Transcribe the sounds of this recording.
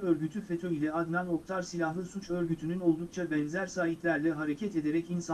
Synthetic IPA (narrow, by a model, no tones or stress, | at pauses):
øɾɟyt̪ʰyfe̞t̪ʰo̞jilʲɛad̪nano̞k̚t̪ʰaɾsilʲahlˠɯsut͡ʃø̞ɾɟyt̪ʰynyno̞lˠd̪uk̚t͡ʃʰabɛnzæɾsaːɦit̪lʲæɾlʲɛɦaɾe̞cʰɛt̪e̞d̪e̞ɾɛcins